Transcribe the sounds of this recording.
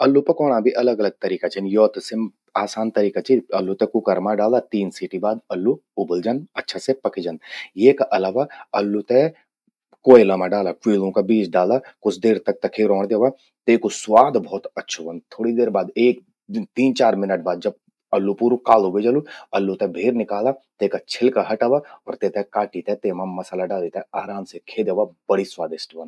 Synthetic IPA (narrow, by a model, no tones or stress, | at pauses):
ɐlːupɐkɔːɽ̃abʱiʔɐləɡɐləɡ̚t̪ɐɾiːkat͡ʃɐnjɔːt̪sem | aːsaːnt̪ɐɾiːkat͡ʃiɐlːut̪ɛ̃kʊkəɾmãɖaːld̪at̪iːnsiːʈibaːd̪ɐlːuʊbəld͡ʒanɐtːʃʰasepɐkʰid͡ʒɐnd̪jeːkaʔɐlaːʋaɐlːut̪ɛ | koːelamãɖaːlakwiːlõkabiːt͡ʃɖaːlakʊt͡ʃʰd̪eːɾt̪ɐk̚t̪ɐkʰeɾɔ̃ːɽ̃d̪eːʋa | t̪eːkoswaːd̪bʱɔːt̪ɐtːʃʰuʋə̃nt̪ʰːoːɽid̪eːɾbaːd̪eːk̚ | t̪iːnt͡ʃaːɾmɪnəʈ̚baːd̪̚d͡ʒɐb̚ | ɐlːupuːɾukaːlubed͡ʒəluɐlːut̪ɛbʱeːɾnɪkaːlat̪eːkat͡ʃʰɪlkaɦɐʈaʋaɔːɾt̪et̪ɛ̃kaːʈit̪ɛt̪eːmamɐsaːlaɖaːlit̪ɛaːɾãːnsekʰeːd̪eːʋabɐɽiswaːd̪ɪsʈːʋɐ̃n